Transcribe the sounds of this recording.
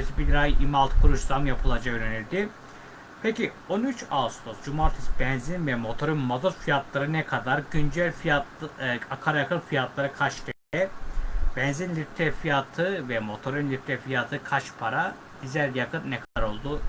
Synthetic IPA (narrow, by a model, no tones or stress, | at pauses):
esibilɾajʔimalˠt̪ʰkʰuɾuʃsamjapʰɯlˠad͡ʒakøɾenilʲd̪i | pʰeci | onyt͡ʃast̪ʰosd͡ʒumaɾt̪ʰi̥sbɛnzinvɛmo̞t̪ʰoɾynmazuɾfijat̪lˠaɾɯnɛkʰad̪aɾɟynd͡ʒælʲfiatakʰaɾajakʰɯnfijat̪lˠaɾɯkʰat͡ʃt̪ʰɛd̪ɛb̥ɛnzinlʲiɾt̪ʰɛfijat̪ʰɯvɛmo̞t̪ʰo̞ɾynlʲiɾt̪ɾɛfijat̪ʰɯkʰat͡ʃpʰaɾa | d̪̥izæɾjakʰɯnnɛkʰad̪aɾo̞lˠd̪u